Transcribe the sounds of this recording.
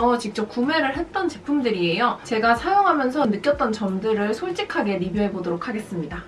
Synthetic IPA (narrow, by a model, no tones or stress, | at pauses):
ʌt͡ɕik̚t͡ɕ͈ʌp̚k͈ume̞ɾɯɭɦe̞t̚t͈ʌnt͡ɕe̞pʰumdɯɾie̞jot͡ɕe̞ɡasʰajoŋɦamjʌnsʰʌnɯk͈jʌt̚t͈ʌnt͡ɕʌmdɯɾɯɭsʰoɭt͡ɕ͈ikʰaɡe̞ɾibjuɦe̞bodoɾokʰaɡe̞s͈ɯmɲida